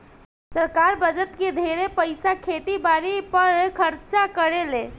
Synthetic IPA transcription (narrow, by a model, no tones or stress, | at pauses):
səɾkaɾbəd͡ʒət̪ked̪ʱeɾepəɪsakʰet̪ibaɾipəɾkʰəɾt͡ʃakəɾele